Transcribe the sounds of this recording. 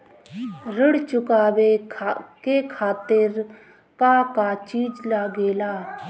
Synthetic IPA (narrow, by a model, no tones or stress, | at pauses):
ɾəɽt͡ʃʊkaːʋekekʰaːt̪ɪɾ | kaːkaːt͡ʃiːd͡ʒlaːɡeːlaː